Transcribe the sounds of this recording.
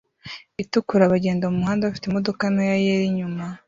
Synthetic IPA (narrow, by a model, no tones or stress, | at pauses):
itukuɾaβaɟe̞ːndomumuhaːndeβafi̥temo̞do̞kanojajeɾiɲuma